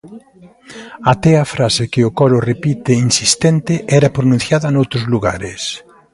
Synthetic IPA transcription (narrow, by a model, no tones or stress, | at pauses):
at̪ɛɐfɾasɪkɪʊkɔɾʊrepit̪ɪinsist̪ɛnt̪ɪʔɛɾɐpɾonũn̟θjaðɐnowt̪ɾʊzluɣa̰ɾɪs